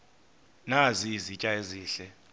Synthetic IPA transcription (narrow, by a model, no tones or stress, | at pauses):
nazizit͡ʃʼaeziːɬɛ